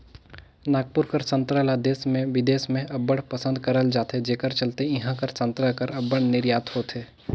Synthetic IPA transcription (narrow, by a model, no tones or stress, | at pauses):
naːɡ̚pʊɾkəɾsə̃nt̪ɾəlad̪eːsmẽʋɪd̪eːsmẽʔɐbəɽpəsə̃nd̪kɐɾəld͡ʒaːt̪ed͡ʒeːkəɾt͡ʃəlt̪eɪɦãkəɾsə̃nt̪ɾəkəɾɐbːəɽnɪɾjaːt̪hoːt̪ʰeː